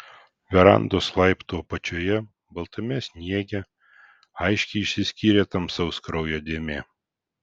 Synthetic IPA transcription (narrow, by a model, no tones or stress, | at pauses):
ɡʲɐɾɑ̰nd̪oːslˠɐɪpt̪opɐt͡ʃʲoːjɛ | bɐlˠt̪ɐmʲɛsʲnʲiɛɡʲɛ | ɐɪʃʲkʲɛɪɪʃʲsʲɪsʲkʲiːɾʲeːt̪ɐmsɐʊskɾɐʊjoːd̪ʲeːmʲeː